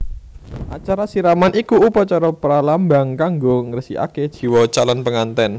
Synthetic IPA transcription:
ʔat͡ʃaɾasiɾamanʔikuːpat͡ʃɔɾɔpəɾalambaŋkaŋɡoŋərsḭa̰ked̥ʒ̥i̤wɔt͡ʃalanpəŋant̪ɛn

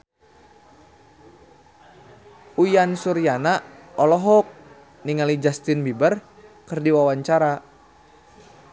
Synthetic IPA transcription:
ujansuɾjanaɔlɔɦɔk̚ | niŋalid͡ʒast̪ɪnbibər | kɨrdiwawaɲt͡ʃaɾa

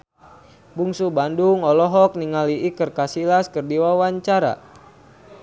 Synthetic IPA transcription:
buŋsubanduŋɔlɔɦɔk̚niŋaliʔikɨrkasilaskərdiwawaɲt͡ʃaɾa̰

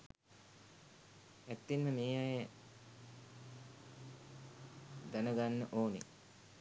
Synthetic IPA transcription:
æt̪ːinməmeːjajə | d̪anəɡanːəʔoːnḛ

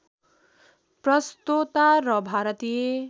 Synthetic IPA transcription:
prʌst̪ot̪aɾʌbʱaɾʌt̪ije

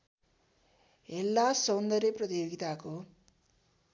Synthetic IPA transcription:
elːasownd̪ʌɾepɾʌt̪ijoːɡit̪aːko

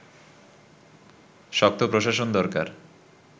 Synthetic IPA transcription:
ʃɔk̚t̪ʰopɾoʃ̬aʃond̪ɔɾka̰ɾ

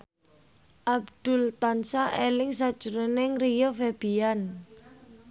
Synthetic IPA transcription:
ʔabd̪̥ʊ̤lt̪ansaʔelɪŋsad̥ʒ̥uɾonɪŋrijofeb̥ian

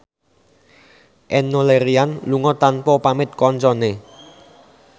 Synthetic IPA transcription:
ʔɛnːoleɾianluŋɔt̪anpɔpamɪt̪̚kɔnt͡ʃɔne

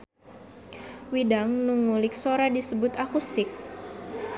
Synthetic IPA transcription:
widaŋnuŋulɪk̚soɾadisəbʊt̪akust̪ɪk̚

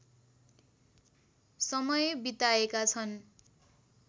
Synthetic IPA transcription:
sʌmʌjbit̪aekat͡sʰʌn

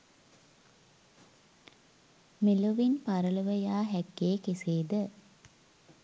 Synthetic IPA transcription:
meloʋinpaɾələʋəjaːɦækːeːkeseːd̪ə

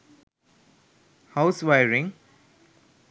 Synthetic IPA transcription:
haʊsʋajɾɪ̃ŋ

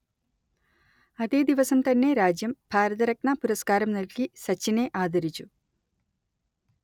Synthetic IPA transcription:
ɐðe̞ːd̪iʋɐsɐmt̪ɐnːe̞ɾaːd͡ʑjɐmbʱaːɾɐðɐɾɐk̚ɳapuɾɐskaːɾɐmnɐlkisɐt͡ɕːine̞ʔaːd̪ʱɐɾit͡ɕːu

